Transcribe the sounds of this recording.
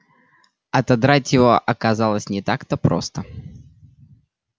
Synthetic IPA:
ɐt̪ɐd̪ɾatʲjɪvo̞ʔɐkɐzalˠəsʲnʲɪt̪akt̪əpɾo̰st̪ə

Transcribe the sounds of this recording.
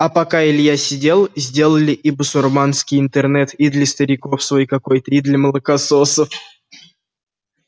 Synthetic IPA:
apɐkaɪlʲɪjasʲɪdʲe̞lˠzʲdʲe̞lˠəlʲɪʔibʊsʊrmanskʲɪjɪnt̪ɛrnɛt̪id̪lʲəst̪əɾʲɪkofsvojkɐkojt̪əid̪lʲəməlˠəkasosəf

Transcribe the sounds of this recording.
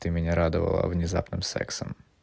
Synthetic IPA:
t̪ɨmʲɪnʲaɾad̪ɨvɐ̰lˠə̰vnʲɪzapnɨmsɛ̰ksəm

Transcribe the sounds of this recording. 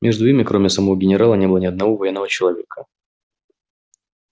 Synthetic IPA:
mʲʔʲeʐd̪ʊimʲɪkɾomʲɪsɐmɐvoɡʲɪnʲɪɾalˠənʲeɛbɨlˠənɪɐd̪nɐvovɐjɛnːəvət͡ɕɪlˠɐvʲḛkʰə

